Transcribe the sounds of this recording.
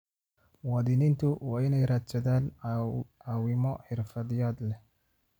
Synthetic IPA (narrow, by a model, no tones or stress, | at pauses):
wɐðɪnɪnt̪ʰʊwɑːɪnɛjɾaːd̪t͡ʃɛðaːn | aːwɪmɔħɪrfɐðɪjaːd̪lɛ